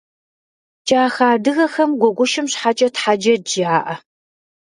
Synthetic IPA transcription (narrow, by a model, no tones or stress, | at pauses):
t͡ʃʼaːxaːdɨɣɐxɐmɡʷɔɡʷʊʃɪmɕħat͡ʃʼɐtħad͡ʒɐd͡ʒɪaːʔɐ